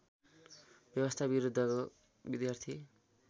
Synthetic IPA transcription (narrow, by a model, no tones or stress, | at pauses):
bjʌbʌst̪ʰabiɾud̪ʱːʌko | bid̪jart̪ʰi